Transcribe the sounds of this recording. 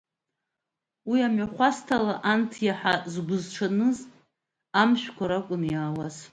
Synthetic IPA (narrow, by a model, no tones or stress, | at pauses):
wiamɥaχʷastʰalaʔantʰjaħazɡʷʊzʈ͡ʂʰanɨz | amʃᶣkʷʰaɾakʷʼʊnjaːwaz